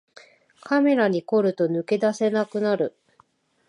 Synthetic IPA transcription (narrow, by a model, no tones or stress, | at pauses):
kame̞ɾaɲ̟iko̞ɾɯ̟t̪o̞nɯ̟ke̞d̪ase̞nakɯ̟naɾɯ̟